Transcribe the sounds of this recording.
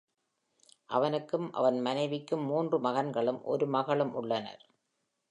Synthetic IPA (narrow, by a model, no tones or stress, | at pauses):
ʔɐʋɐnɯkːɯmʔɐ̰ʋɐnmɐnɐɪʋɪkːɯmːuːndrɯmɐɣɐnɡɐɭɯmʔɔ̰ɾɯmɐɣɐɭɯmʔʊ̰ɭːɐnɐ̰ɾ